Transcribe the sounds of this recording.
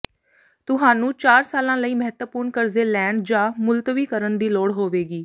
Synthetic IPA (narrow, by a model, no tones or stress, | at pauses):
t̪ʊɦãːnũːt͡ʃaːɾsaːlãːləiːməɦət̪əpʊːɾnkəɾzeːlɛ̃ːɳɖd͡ʒãːmʊlt̪ʋiːkəɾənd̪iːlɔːɽɦoːʋeːɡiː